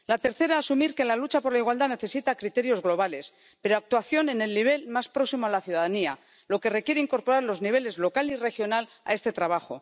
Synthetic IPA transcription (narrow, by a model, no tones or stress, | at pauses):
lat̪e̞ɾθe̞ɾaːsumiɾke̞lalut͡ʃapo̞ɾlaiɣwald̪ane̞θe̞sit̪akɾit̪e̞ɾjo̞zɣlo̞β̞ale̞s | pe̞ɾoak̚t̪waθjo̞ne̞ne̞lːiβ̞e̞lmaspɾo̞ksimoalaθjuðaðania | lo̞ke̞re̞kje̞ɾeiŋko̞ɾpo̞ɾaɾlo̞zniβ̞e̞le̞zlo̞kalire̞xjo̞nal | a̰e̞st̪e̞t̪ɾaβ̞axo̞̰